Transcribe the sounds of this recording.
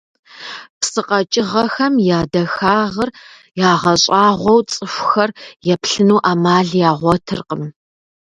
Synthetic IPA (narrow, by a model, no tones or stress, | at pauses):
psɨqʼɐt͡ʃʼɪʁɐxɐmjaːdɐxaːʁɐr | jaːʁɐɕʼaːʁʷɔwt͡sʼɨfʷxɐrjɛpɬɨnuːʔaːmaːɮjaːʁʷɔtʰɨ̰rqəm